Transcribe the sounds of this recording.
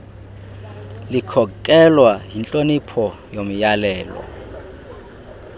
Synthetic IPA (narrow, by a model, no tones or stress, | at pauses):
likʰɔkʼɛlwaɦint͡ɬʼonipʰɔ | jomijalɛːlwa̰